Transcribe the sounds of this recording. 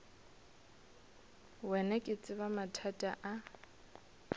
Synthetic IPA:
wɛnɛkʼɪt͡sʼɪβamatʰatʼaʔa

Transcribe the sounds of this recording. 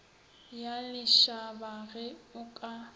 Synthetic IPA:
jalɪʃabaɣɛʊkʼa

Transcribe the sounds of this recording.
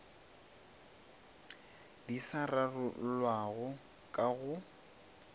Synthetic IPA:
disararʊlwaɣʊ | kʼaɣʊ

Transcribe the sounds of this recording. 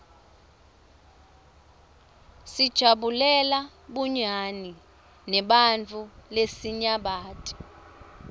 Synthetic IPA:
sid̥ʒ̥ʱaɓulɛla | ɓuɲani | nɛɓant͡fʰʼulesiɲaɓaːtʼi̥

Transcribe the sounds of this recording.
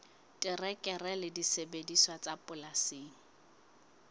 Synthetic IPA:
tʼɪrɛkʼɛrɛlɪdisebediswat͡sʼapʼʊlaseːŋ̩

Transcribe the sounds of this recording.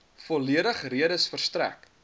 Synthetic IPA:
fɔliədəχriəɾəsfərstræ̰k

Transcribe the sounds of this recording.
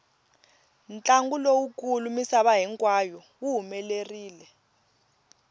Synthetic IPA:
nt͡ɬʼaŋɡulowukʼulumisaɓaɦiŋkʼwajɔwuɦumɛleriːlɛ

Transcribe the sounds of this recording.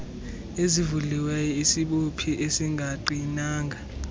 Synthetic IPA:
ezivuliwɛjɔisiɓopʰiʔesiŋɡʱaǃinaːŋɡʱa

